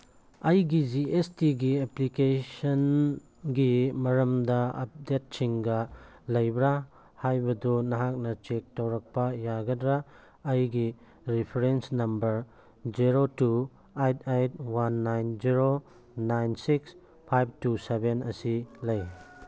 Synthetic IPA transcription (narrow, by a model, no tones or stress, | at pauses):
ɐjɡiziestiɡieplikesɐn | ɡimɐɾɐmdɐɐ̰p̚det̚t͡ʃʰiŋɡalɐjbɾa | hajbɐdunɐɦak̚nɐt͡ʃek̚tawɾak̚pɐjaɡɐdɾaː | jɡi | ɾipʰɐɾensnɐmbɐɾ | ziɾotu | ajtʰajt̚wanːajnziɾo | najnsiks | pʰajb̚tusebenɐsilɐj